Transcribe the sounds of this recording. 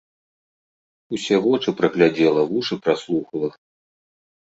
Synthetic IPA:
usʲɛɣɔt͡ʂɨpɾɐɣlʲad͡zʲɛlˠɐvuʂɨpɾaslˠuxɐlˠɐ

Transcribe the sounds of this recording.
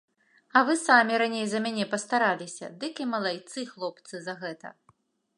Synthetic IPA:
ɐvɨsamʲiɾanʲejzɐmʲanʲɛpɐst̪aɾalʲisʲɐ̰d̪ɨkʲimɐlˠajt̪sɨxlˠɔp̚t̪sɨzɐɣɛt̪ɐ̰

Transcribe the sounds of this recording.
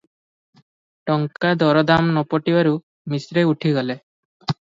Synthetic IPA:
ʈɔŋkad̪ɔɾɔd̪amnɔpɔʈibaɾu | misɾeuʈʰiɡɔlɛ

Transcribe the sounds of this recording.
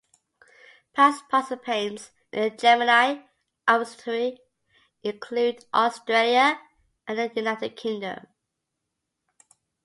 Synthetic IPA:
pʰaˑspʰɔsəpʰẽɪ̃nz | ɪ̰̃nəd͡ʒɜmənaɪ | ʔastɹi | ɪ̃nkʰl̥ʉːdʔɔstɹ̥eljə | ʔə̃nðəjunaɪtɪd̚kʰɪ̃ŋdə̰̃m

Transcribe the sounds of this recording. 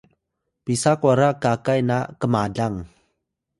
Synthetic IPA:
pisakwaɾakakajnakəmadaŋ

